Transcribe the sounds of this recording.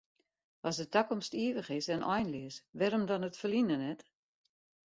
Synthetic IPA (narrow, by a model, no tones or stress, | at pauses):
ɔsdətakɔmstiəʋəχɪsɛnʔɔ̰jnliəsʋɛɾomdɔnətfəlinənɛt